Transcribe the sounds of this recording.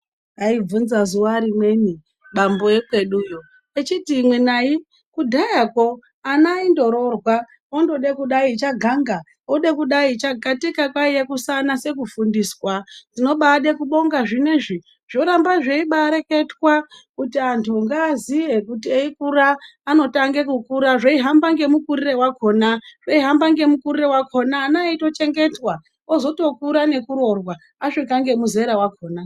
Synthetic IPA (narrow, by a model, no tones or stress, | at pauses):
aib͡vunzazuwaɾimwe̞ni | ɓamboekwe̞ɗujo | et͡ʃitiːmwenai | kudʱajako̞ | anaindo̞ɾo̞rwa | ondo̞ɗekuɗait͡ʃaɡʱaŋɡa | oɗekuɗait͡ʃaɡʱatikakwaijekusanase̞kufundiːswazino̞ɓaɗekuɓo̞ŋɡaʐine̞ʐi | ʐ̥o̞ɾambaʐe̞iɓaɾe̞ke̞twakutiantʰuŋɡaːzije̞kutieikuɾaːno̞taŋɡe̞kukuɾaʐoiɦambaŋɡe̞mukurire̞wako̞ːnaʐ̥eiɦambaŋɡe̞mukurire̞wako̞naːnaito̞t͡ʃe̞ŋɡe̞twa | ozo̞to̞kuɾane̞kuɾo̞rwa | aʂikaŋɡe̞muze̞ɾawako̞ːna